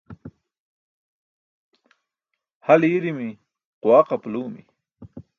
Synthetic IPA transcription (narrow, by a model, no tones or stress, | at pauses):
haliɾimi | qwaːqapluːmḭ